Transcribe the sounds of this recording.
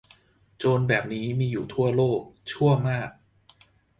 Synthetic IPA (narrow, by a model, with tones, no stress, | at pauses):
t͡ɕoː˧nbɛː˨˩p̚niː˦˥miː˧juː˨˩t̪ʰu˥˩ɐloː˥˩k̚t͡ɕʰu˥˩əmaː˥˩k̚